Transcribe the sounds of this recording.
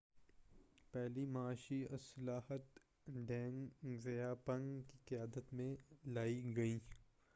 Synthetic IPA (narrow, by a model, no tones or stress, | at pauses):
pɛɦlimɐaːʃiɐsɐlaːhət̪ | ɖɛ̃ːŋzɐjapɐ̃ŋɡkiqɪjaːd̪ət̪mẽlaːiɡɐiː